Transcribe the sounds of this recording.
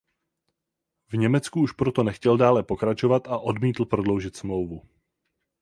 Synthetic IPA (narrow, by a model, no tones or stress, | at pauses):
vɲɛmɛt͡skuuʃpɾot̪o̞nɛxcɛldaːlɛpo̞kɾat͡ʃo̞vat̪aʔo̞dmiːt̪l̩pɾo̞dlo̞wʒɪt̪smlo̞wvu